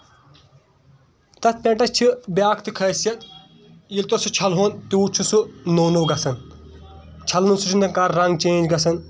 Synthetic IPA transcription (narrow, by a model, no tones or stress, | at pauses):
t̪ɐt̪̚ʰpʲẽʈɐt͡ʃʰibjaːkʰt̪ɨkʰɐːsjɐt̪ | jilʲt̪osut͡ʃʰɐlɦoːnt̪uːt͡ʃʰusunownɐwɡɐsɐn | t͡ʃʰɐlnusut͡ʃʰund̪ɐnkaɾːɐŋɡt͡ʃẽːnd͡ʒɡɐsɐn